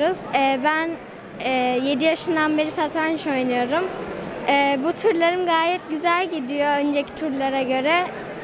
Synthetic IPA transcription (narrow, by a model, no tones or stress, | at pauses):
uz̥ɛːbæn | ɛje̞d̪ijaʃɯnd̪anbe̞ɾisat̪ʰanʃo̞jnɯjo̞ɾumɛːbut̪ʰuɾlˠaɾɯmɡaːjɛt̪ɟyzælʲɟid̪ijo̞ønd͡ʒecʰi̥t̪ʰuɾlˠaɾaɟø̞ɾɛ